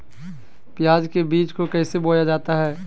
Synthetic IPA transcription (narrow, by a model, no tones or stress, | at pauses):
pjaːd͡ʒkebiːt͡ʃkokɛːseboːjad͡ʒaːt̪aɦɛː